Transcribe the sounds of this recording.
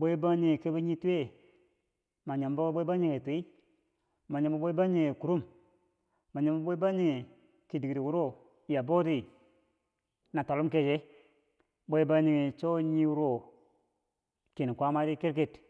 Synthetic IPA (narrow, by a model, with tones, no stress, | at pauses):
bo˦i˦ba˦ɲi˨ŋe˨ke˦bi˦ɲi˦tu˦e˦ | ma˨ɲa˨mbo˦bo˦ba˦ɲi˦ŋe˨tu˨i˦ | ma˨ɲa˨mba˦bo˦i˦ba˦ɲi˦˨ŋe˨ku˨ɾu˦m | ma˨ɲa˨mba˦bo˦i˦ba˦ɲi˨ŋe˨ | ki˨di˨ki˨ɾi˨wu˦ɾo˦˨ | ja˨bo˦ti˦ | na˨to˨lu˦mke˦˨d͡ʒe˦ | bo˦i˦ba˦ɲi˨ŋe˨t͡ʃo˦ɲi˦wu˦ɾo˦˨ | ke˨n˨kʷa˦ma˦ɾi˦ke˦ɾke˦˨t